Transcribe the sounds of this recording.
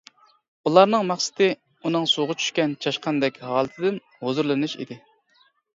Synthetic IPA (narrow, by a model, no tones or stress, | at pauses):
ulˠɑɾnɨŋmæχsɪ̥t̪ɪ | unɨŋsoʁʊt͡ʃʰy̥ʃkʲɛnt͡ʃʰɑʃqɑnd̪ɛkʲɦɑːlˠɨt̪ʰɪd̪ɪn | hozuɾlˠɨnɨʃḭd̪ɪ